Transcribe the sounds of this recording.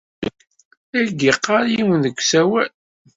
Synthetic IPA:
ælɡiqːɑɾjiwənðəkʷːsæwæl

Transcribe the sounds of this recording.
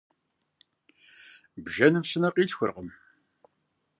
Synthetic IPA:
bʒɐnɨmsɨnɐqiːtxʷʊ̰rqəm

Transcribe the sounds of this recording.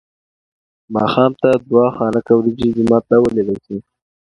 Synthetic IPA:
mɑxɑmt̪ad̪wɑxɑːnakawɾid͡ʒid̪imɑt̪lawəleɽasi

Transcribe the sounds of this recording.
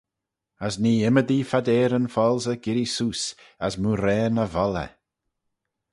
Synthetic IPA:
əsniːɪməd̪ifad̪ɛːɾənfɔlˠzəɡ̥ɪɾisuːs | asmuːɾɛːnəvɔlə̰

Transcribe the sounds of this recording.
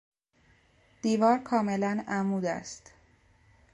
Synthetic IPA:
d̪̥iːvɒːɾkʰɒːme̞lænæmuːd̪æ̰st̪

